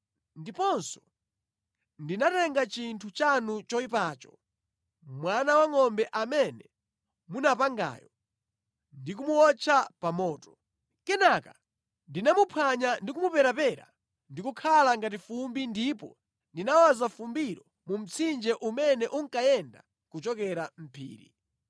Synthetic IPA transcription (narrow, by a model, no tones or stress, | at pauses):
ndipɔnsɔ̥ | ndinatɛŋɡat͡ʃintʰut͡ʃanut͡ʃɔipaːt͡ʃɔ̥ | mwanawaŋɔmbɛʔamɛnɛ | munapaŋɡa̰ːjɔ | ndikumuwɔt͡ʃʰapamɔːtɔ̥ | kɛnaka | ndinamupʰwaɲandikumupɛɾapɛɾa̰ | ndikukʰalaŋɡat̬ifumbindipɔ | ndinawazafumbiɾɔ | mum̩t͡sʰind͡ʒɛʔumɛnɛʔuŋkajɛnda̰ | kut͡ʃɔkɛɾam̩pʰḭːɾḭ